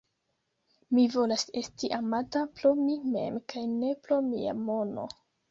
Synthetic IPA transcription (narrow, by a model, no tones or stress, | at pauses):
mivo̞lase̞stiʔamatapɾo̞mime̞̰mkajne̞pɾomia̰mo̞no̞̰